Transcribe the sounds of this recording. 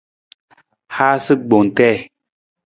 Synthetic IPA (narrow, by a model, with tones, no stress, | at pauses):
haː˦sɨ˦ɡ͡bo˨ŋ˨tɛ˦˨